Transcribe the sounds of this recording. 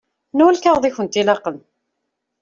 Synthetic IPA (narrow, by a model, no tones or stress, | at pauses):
nuwælkaʁðˤiçənt̪ilɑqən